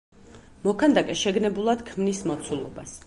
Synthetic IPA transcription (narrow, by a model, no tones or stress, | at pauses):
mɔkʰand̪akʼɛʃɛɡnɛbulˠad̪kʰmnismɔt̪sʰulˠɔ̰ba̰s